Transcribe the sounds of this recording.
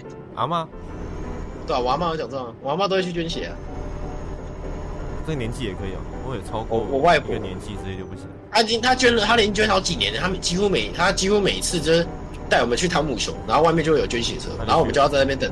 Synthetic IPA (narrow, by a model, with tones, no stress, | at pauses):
ʔa̰˧˦ma˥˧ | t̪we˥˧a˨wa˨˧˦ma˥˩jo˧˥˩t͡ɕjɑ˨˩ŋt͡sə˥˩˥wa˧˥ma˥˩t̪o˥we˧t͡ɕʰy˥˩t͡ɕɛ˥nɕɛ̰˨˩ɐ̰˦˩ | t͡sə˥ə˨njɛ˦nt͡ɕi˥˩jɛ˨˩kʰɤ˧˦ḭ˨ɔ̰˨˩wɔ˧˦˥jɛ˨˩t͡sʰɑ˦ʊkwɔ˨˩wɔ˨˩wa˥˩ɪknɛ̰˧˦nt͡ɕi˥˧ʈ͡ʂɻ̩˧t͡ɕɛ˧˩jo˥˧˩pu˥˩ɕḭ˨˩ | t̪ʰa˥t͡ɕi˥ŋt̪ʰa˥t͡ɕɛ˥nlə˨t̪ʰa˥ljɛ˧˥nt͡ɕɥɛ˥nt̪ʰɑ˧˥t͡ɕi˨˩njɛ˦nt̪ʰa˦˥me˨˩t͡ɕi˥xu˦me˨˩ɪ˦t̪ʰa˦˥t͡ɕi˥xu˦me˨˩ɪi˦t͡sʰɹ̩˥˧t͡ɕ | t̪a˥˩ɪwɔ˨˩mə˨˦nt͡ɕʰy˥˩t̪ʰa˧˥ŋmu˨˩ɕʰjo̰˧˦na˧˥xo˥˧wa˥˧mjt͡ɕjwe˥˩jo˨˩t͡ɕɥɛ˥˦nɕi˨˦ə˨s̩˥˩o˨˩˨o˥˨wt͡sna˥˧jnt̪ə˨˩ŋ